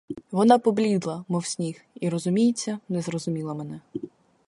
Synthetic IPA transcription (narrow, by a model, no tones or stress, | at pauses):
ʋɔnɑpɔblʲid̪lˠɐmɔwsʲnʲix | iɾɔzʊmʲijet͡sʲːɐnɛzrɔzʊmʲilˠɐmɛnɛ